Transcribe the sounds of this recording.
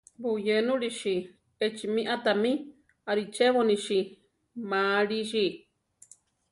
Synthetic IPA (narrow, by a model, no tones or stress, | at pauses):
bujenũɾiʃi | et͡ʃimĩʔat̪amĩ | aɾit͡ʃeβonĩʃi | mãɾiʃi